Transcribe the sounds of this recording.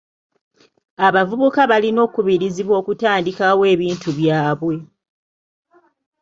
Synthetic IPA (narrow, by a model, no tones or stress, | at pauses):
aβavuβukaβalino̞ːkuβiɾiziβwo̞ːkutaːndikawe̞ːβiːntuβjaːβwe̞